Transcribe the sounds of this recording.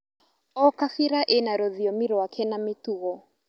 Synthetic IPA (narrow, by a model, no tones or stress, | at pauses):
ɔkafiɾaʔenaɾɔðiɔmiɾɔakʰɛnametuɣɔ